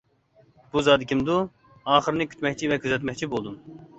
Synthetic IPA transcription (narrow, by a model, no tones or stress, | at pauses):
b̥uzɑːd̪ɪkʲʰimd̪u | ɑːχɨɾnɪkʲʰy̥t̪mɛk̚ʲt͡ʃʰivɛkʲʰyzɛt̪mɛk̚ʲt͡ʃʰibolˠd̪um